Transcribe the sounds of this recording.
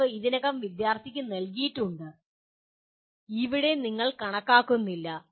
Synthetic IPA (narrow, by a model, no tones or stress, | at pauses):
ɨiðinɐɣɐmʋid̪jaːrt̪ʰikʲːɨnɐlk̬ijiʈːuɳɖɨ | iʋiɽe̞niŋːɐɭkɐɳɐkːaːkːunːilːɐ